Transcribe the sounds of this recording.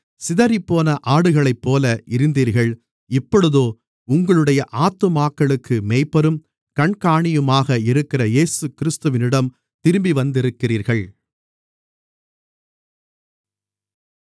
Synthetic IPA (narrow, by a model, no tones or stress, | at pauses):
sɪðɐɾɪpːoːnɐʔaːɽɯɣɐɭɐɪpːoːlɐʔɪɾɯnd̪iːɾɣɐɭ | ɪpːɔɽɯðoː | ʊŋɡɐɭɯɽɐjɐʔaːt̪ːɐmaːkːɐɭɯkːɯmeːɪpːɐɾɯm | kɐɳkaːɳɪjɯmaːɣɐɪɾɯkːɪrɐjeːsɯkɪɾɯst̪ɯʋɪnɪɽɐm | t̪ɪɾɯmbiʋɐnd̪ɪɾɯkːɪriːɾɣɐɭ